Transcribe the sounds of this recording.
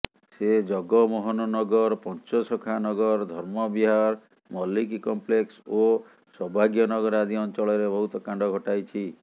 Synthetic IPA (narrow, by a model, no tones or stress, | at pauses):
sed͡ʒɔɡɔmɔɦɔnɔnɔɡɔɾpɔnt͡ʃɔsɔkʰanɔɡɔɾd̪ʱɔɾmɔbiɦaɾ | mɔlikikɔmplekso | sɔbʱaɡjɔnɔɡɔɾad̪ʱiɔnt͡ʃɔɭɔɾebɔɦut̪ɔkãɳɖɔɡʱɔʈajt͡ʃʰi